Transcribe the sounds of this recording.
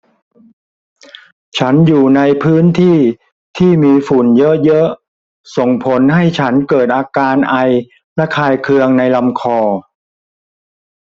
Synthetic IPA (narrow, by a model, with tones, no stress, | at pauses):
t͡ɕʰa˦˥njuː˨˩na˧jpʰɯː˦˥nt̪ʰiː˥˩ | t̪ʰiː˥˩miː˧fu˨˩njɤ˦˥ʔjɤ˦˥ʔ | so˨˩ŋpʰo˨˦˥nɦa˥˩jt͡ɕʰa˦˥nkɤː˨˩t̪̚ʔaː˧kaː˧nʔa˧j | lɛ˦˥kʰaː˧jkʰɯ˧əŋna˧jla˧mkʰɔː˧